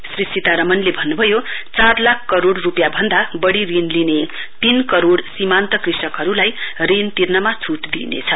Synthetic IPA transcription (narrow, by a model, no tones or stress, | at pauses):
srisit̪aɾʌmʌnlebʱʌnːubʱʌjot͡sarlakʰkʌɾoɽrupjabʱʌnd̪abʌɽirinline | t̪inkʌɾoɽsimant̪ʌkrisʌkɦʌɾulajrint̪irnʌmat͡sʰuʈd̪ḭnḛt͡sʰʌ